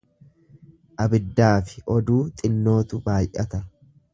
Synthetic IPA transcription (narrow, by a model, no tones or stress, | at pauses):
ʔɐbɪd̪ːaːfɪ̥ɔd̪uːt̪ʼɪnːo̞ːt̪ʊbaːjʔɐt̪ɐ